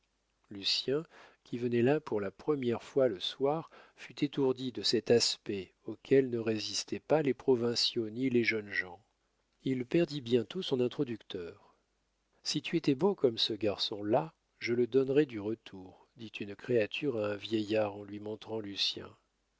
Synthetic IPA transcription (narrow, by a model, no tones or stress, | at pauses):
lysjɛ̃kʲʰivənɛlapuʁlapχəmjɛʁfwaləswaʁfyt̪et̪uʁd̪id̪əsɛt̪aspɛ | okʰʲɛlnəʁezist̪ɛpalepχɔvɛ̃sjonileʒənʒɑ̃ | ilpɛʁd̪ibjɛ̃t̪osɔ̃nɛ̃t̪χɔd̪ykt̪œːʁ | sit̪ʰyet̪ɛbokɔmsəɡaʁsɔ̃la | ʒələd̪ɔnʁɛd̪yʁət̪ʰuʁ | d̪it̪ʰynkχeat̪ʰyʁaɛ̃vjejaʁɑ̃lɥimɔ̃t̪χɑ̃lysjɛ̰̃